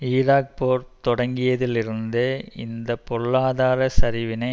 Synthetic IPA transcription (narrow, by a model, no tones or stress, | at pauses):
iːɾaːk̚poːɾt̪ɔɽɐŋɡɪjɐðɪlɪɾɯnd̪ɯɪ̰nd̪ɐpːɔɭːaːðaːɾɐsɐɾɪʋɪnɐɪ